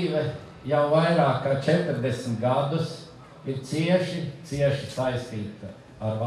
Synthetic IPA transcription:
iːʋɛ | jawvajɾaːkat͡ʃɛt̪ɾd̪esmt̪ɡad̪us | iɾt̪siɛʃit̪siɛʃi̥sajst̪iːt̪ɐ | aɾʋa

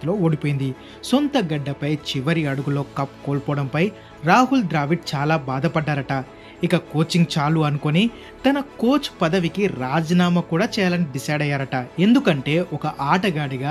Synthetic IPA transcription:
t̪lo̞ːoːɽipoːjind̪i | sont̪ɐɡɐɖːɐpɐjt͡ʃiʋɐɾiɐɽuɡulo̞ːkɐpkoːɭpɔːɽɐmpɐj | ɾaːɦulɖɾaːʋiʈ̚t͡ʃaːlaːbaːd̪ɐpɐɖːaːɾɐʈɐ | ikɐko̞ːt͡ʃiŋɡ̚t͡ʃaːluɐnuko̞ni | t̪ɐnɐkoːt͡ʃpɐd̪ɐʋikiɾaːd͡ʒɐnaːmɐkuːɽaːt͡ʃɛːjalɐnɖisɐjɖɐjːaːɾɐʈɐe̞nd̪ukɐɳʈe̞ːʔɔkɐʔaːʈɐɡaːɽiɡaː

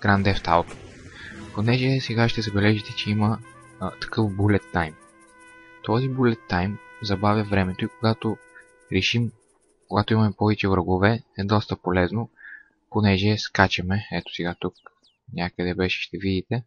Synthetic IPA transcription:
ɡ̥ɾand̪ɛft̪a̰lˠt̪o̥ponɛʒɛsɛɡaʃt̪ɛzɐbɛlɛʒit̪ɛt͡ʃɛimə | t̪ɐ̥kɤfbulɛt̪ːajm | t̪ɔzibulɛt̪ːajmzɐbavjɐvɾɛmɛt̪oikoɡat̪o | ɾɛʃim | koɡat̪oʊimɐmɛpɔvɛt͡ʃɛvɾəɡovɛɛd̪ɔst̪əpolɛzno | ponɛʒɛskat͡ʃɐmɛɛt̪o̥sɛɡat̪uk̚ | nʲakəd̪ɛbɛʃɛ̥ʃt̪ɛvid̪it̪ɛ

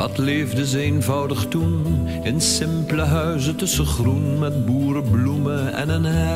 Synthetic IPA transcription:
ɑtleːvdəzəenvɑwdəχtun | ɪnsɪmpləɦœɥzətɵsəχrunmɛtbuːrəbluməɛ̰nənɦɛ

